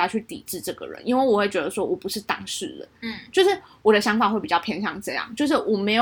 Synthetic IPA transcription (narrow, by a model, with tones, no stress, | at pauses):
a˥t͡ɕʰy˥˩t̪ḭ˨˩ʈ͡ʂɻ̩˥˧ʈ͡ʂɤ˥˩ɡə̰˩ɻə̰˧˦nʔi˥nwe˥˩ɪwɔ˨˩we˥˩ɪt͡ɕɥɛ˧˥d̪ə˧ʂwɔ˦˥wɔ˨˩pu˧˥ʂɻ̩˥˩t̪ɑ̰˥ŋʂɻ̩˥˩d̪ə̰˩t͡ɕjo˥˧ʊʂɻ̩˥˩wɔ˨˩d̪ə˦ɕjɑ˧˥ŋfa˨˩xwe˥˩ɪpi˨t͡ɕɑ˥˧ʊpʰjɛ˧˥ŋɕjɑ˥˧ŋʈ͡ʂɤ˥˧jɑ̰˥˩ŋt͡ɕjo˥˧ʊʂ̬ɻ̩˥˩wɔ˨˩me˧˥ɪ